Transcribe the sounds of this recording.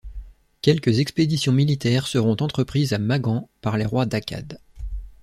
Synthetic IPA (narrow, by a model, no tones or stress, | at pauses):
kʲɛlkəzɛksped̪isjɔ̃milit̪ɛʁsəʁɔ̃t̪ɑ̃t̪χəpχizamaɡɑ̃paʁleʁwad̪akʰa̰d̪